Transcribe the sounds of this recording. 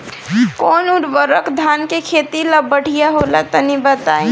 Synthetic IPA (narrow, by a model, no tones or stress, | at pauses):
konuɾbəɾəkʰd̪ʱankekʰet̪iləbəɽ̤ijaɦolat̪ənibət̪ai